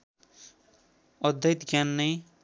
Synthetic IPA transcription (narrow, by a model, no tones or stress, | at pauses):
ʌd̪ʱːʌjt̪ɡjanːʌj